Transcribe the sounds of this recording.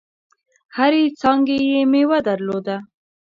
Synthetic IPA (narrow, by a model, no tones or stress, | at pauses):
haɾet͡sɑŋɡejemewad̪aɾlod̪a